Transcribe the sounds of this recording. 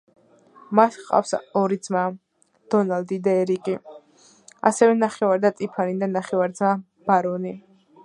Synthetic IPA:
mat̪ʰqʼa̰fsɔɾid̪z̥ma | d̪̥ɔnald̪id̪aɛɾikʼi | a̰sɛvɛnaχɛvaɾd̪at̪ʼipʰanid̪anaχɛvaɾd̪zma | b̥aɾɔni

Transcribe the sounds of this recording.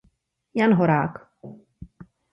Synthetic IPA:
janɦoɾaːk

